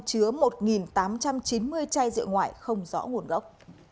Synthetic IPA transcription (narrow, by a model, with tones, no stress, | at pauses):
t͡ɕɨ˨˦əmo˨˩t̚ŋi˨˩nt̪aː˨˦mt͡ɕa˧mt͡ɕi˨˦nmɨ˧əjt͡ɕaː˧jzɨ̰˧˨əŋwa̰ː˧˩jxə˧wŋ͡mzɔ̰˧˥ŋu˨˩ənɣə˦˥wk͡p̚